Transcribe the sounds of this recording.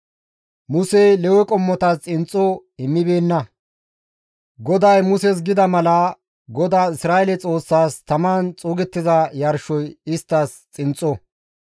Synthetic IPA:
mʊsejlɛwɛkʼɔmːɔt̪ɐst͡sʼɪnt͡sʼːɔɪmːɪbe̞ːnːɐ | ɡɔd̪ɐjmʊsɛs̬ɡɪd̪ɐmɐlɐ | ɡɔd̪aːɪsɾaːʔɛlɛt͡sʼo̞ːsːaːst̪ɐmaːnt͡sʼuːɡɛt̪ːɪzɐjɐɾʃɔjɪst̪ːɐst͡sʼɪnt͡sʼːɔ

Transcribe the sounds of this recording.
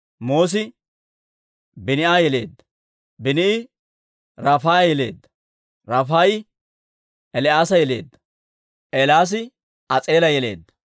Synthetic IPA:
mo̞ːs̬ɪ | bɪnɪʔaːjɛle̞̰ːd̪ːɐ̥ | bɪnɪɪ | ɾɐfaːjɛle̞̰ːd̪ːɐ | ɾɐfaːj | ɛlɪaːsɐjɛle̞̰ːd̪ːɐ̥ | ʔɛlaːs̬ɪ | ɐt͡sʼeːlɐjɛle̞̰ːd̪ːɐ

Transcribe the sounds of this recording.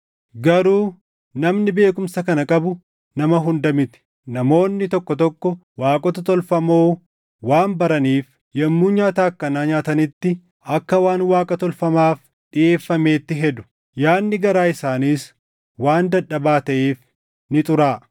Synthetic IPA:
ɡɐɾuː | nɐmnɪbe̞ːkʊmsɐkɐnɐkʼɐbʊ | nɐmɐɦʊnd̪ɐmɪt̪ɪ̥ | nɐmo̞ːnːɪt̪ɔkːɔt̪ɔkːɔ | waːkʼɔt̪ɐt̪ɔlfɐmoː | waːmbɐɾɐniːf | jɐmːuːɲaːt̪aːkːɐnaːɲaːt̪ɐnɪt̪ːɪ | ɐkːɐwaːnwaːkʼɐt̪ɔlfɐmaːf | ɗɪʔe̞ːfːɐme̞ːt̪ːɪɦɛd̪ʊ̥ | jaːnːɪɡɐɾaːɪsaːniːs | waːnd̪ɐᶑːɐbaːt̪ɐʔeːf | nɪt̪ʼʊɾaː

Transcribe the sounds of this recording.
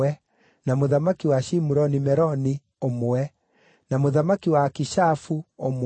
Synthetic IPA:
ɛ | namoðamakiwaʃimuɾɔnimɛɾɔni | omowɛ | namoðamakiwakiʃafuom

